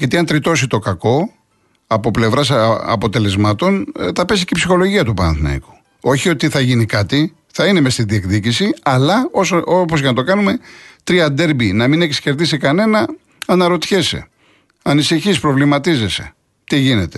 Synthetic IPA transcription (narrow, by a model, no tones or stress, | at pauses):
jʝɐt̪iɐnt̪ɾit̪o̞sit̪o̞kɐko̞ | ɐpo̞ple̞vɾɐsɐ̰po̞t̪e̞le̞zmɐt̪o̞nθɐpe̞si̥ceipsixo̞lo̞ʝiɐt̪upɐnɐ̰nθnɐ̰ḭku̥ | o̞çio̞t̪iθɐʝinikɐt̪i | θɐine̞me̞st̪iðiekðicisiɐlɐosopozʝenɐt̪o̞kɐnume̞t̪ɾiɐd̪e̞ɾbinɐmine̞ksce̞ɾðisikɐne̞nɐ | ɐnɐɾo̞t̪çesḛ | ɐnisiçispɾo̞vlimɐt̪ize̞se̞̥̰ | t̪iʝine̞t̪e̞̥